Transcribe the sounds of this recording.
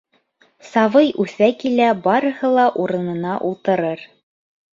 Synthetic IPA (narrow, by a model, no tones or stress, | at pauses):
sɑvɤjʔʉθækilæbɑɾɤ̆hɤlˠɑʔuɾɤ̆nɤ̆nɑʔulˠt̪ɤ̆ɾɤɾ